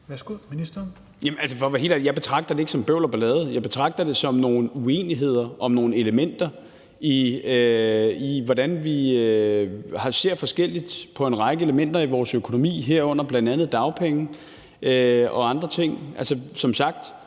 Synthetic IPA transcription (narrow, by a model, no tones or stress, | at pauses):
sɡ̥uid̥ | jæmælsəfɒʋæɦe̝̰læjɑ̈ɪb̥e̝t͡sʰʁɑ̈ɡ̥d̥ɐd̥e̝e̝ɡ̥sɒ̽mb̥øʊ̰lɐb̥ælɛːð̩ˠjɑ̈ɪb̥e̝t͡sʰʁɑ̈ɡ̥̚d̥ɐd̥e̝sɒ̽mno̝ːn̩ue̝̰ːniɦe̝ð̞̰ˠɐʔɒ̽mno̝ːn̩e̝ləmen̰d̥ɐ | i | iʋɒd̥ænʋi | hɑ̈se̝ɐ̰fɒ̽sɡ̥el̰id̥pʰɒ̽e̝nʁɑ̈ɪɡ̥əe̝ləmen̰d̥ɐiʋɒːsøkʰo̝no̝mḭːɦeɐ̰ɔ̽n̰ɐb̥lænd̥ænð̩ˠd̥ɑ̈ʊpʰeŋ̩ | ʔøɒ̽ɑ̈nd̥ʁɐt͡sʰe̝ŋ̰ʔælsəsɒ̽msɑ̈ɡ̥̚d̥